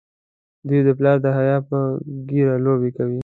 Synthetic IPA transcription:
d̪ujd̪əplɑɾd̪əɦajɑpəɡiɾalobekawi

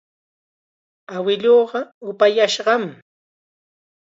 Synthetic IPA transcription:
awɪʎoːɢɑʊpajaʃɢɑm

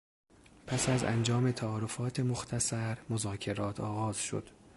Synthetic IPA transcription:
pʰæsæzæ̰nd͡ʒɒːme̞t̪ʰæɒːɾofɒːt̪ʰemoxt̪ʰæsæɾmozɒːcʰe̞ɾɒːt̪ʰɒːɣɒːz̥ʃo̰d̪̥

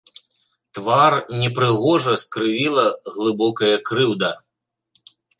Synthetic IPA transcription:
t̪varnʲɛpɾɨɣɔʐɐskɾɨvʲilˠɐɣlˠɨbɔkɐjɐkɾɨwd̪ɐ

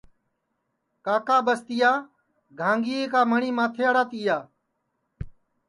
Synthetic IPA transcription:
kaːkaːbəst̪ɪjaː | ɡʱãːŋɡiːeːkaːməɳiːmãːt̪ʰeːəɽaːt̪iːjaː

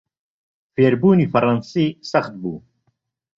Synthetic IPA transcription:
fiɛɾbuːnifɐɾɐnsisɐxt̪̚bu

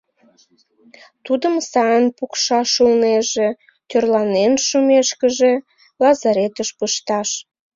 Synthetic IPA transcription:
t̪ud̪əmsɑjənpukʃɑʃulneʒe | t̪ørlɑnenʃumeʃkəʒe | lɑzɑɾet̪əʃpəʃt̪ɑʃ

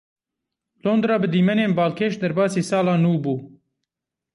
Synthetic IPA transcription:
loːnd̪ɾɑːbɨd̪iːmɛneːnbɑːlkʰeːʃd̪ɐɾbɑːsiːsɑːlɑːnuːbuː

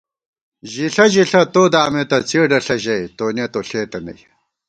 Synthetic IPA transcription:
ʑiɬɐʑiɬɐt̪oːd̪aːmet̪ɐt͡sʰiːɖɐɬɐʑɐjt̪oːnet̪oɬeːt̪ɐnɐ̰j

